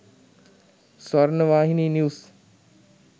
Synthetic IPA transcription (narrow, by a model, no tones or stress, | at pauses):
sʋaɾnəʋaːɦiniːniws